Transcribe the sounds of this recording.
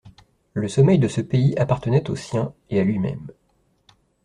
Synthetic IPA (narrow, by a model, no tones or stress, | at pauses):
ləsɔmɛjd̪əsəpeiʔapaʁt̪ənɛt̪osjɛ̃ealɥimɛ̰m